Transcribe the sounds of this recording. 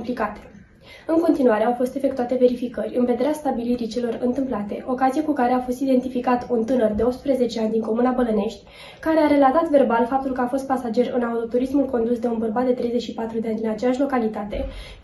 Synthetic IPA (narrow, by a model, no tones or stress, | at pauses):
mplikat̪e̥ | ɨŋko̞nt̪inuaɾe̞awfo̞st̪e̞fe̞kt̪uat̪e̞ve̞ɾifikərʲɨnve̞d̪e̞ɾeast̪abiliɾit͡ʃe̞lo̞rɨ̰nt̪ɨmplat̪e̞ʔo̞kazijekukaɾe̞afo̞st̪id̪e̞nt̪ifikat̪unt̪ɨnərd̪e̞o̞p̚t̪spɾeze̞t͡ʃe̞anʲd̪iŋko̞munabəlɨne̞ʃt̪ʲ | kaɾeaɾe̞lat̪at̪ve̞rbalfap̚t̪ulkəafo̞st̪pasad͡ʒe̞ɾɨ̰naut̪o̞t̪uɾismulko̞nd̪usd̪e̞unbərbat̪̚d̪e̞t̪ɾejze̞t͡ʃʲʃipat̪ɾud̪e̞anʲd̪inat͡ʃejaʃʲlo̞kalit̪at̪e̞